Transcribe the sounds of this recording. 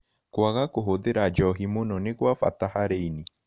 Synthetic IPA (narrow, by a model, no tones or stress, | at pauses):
kwaɣakoɦoðeɾad͡ʒɔɦimonɔneɣwafa̰tahaɾeini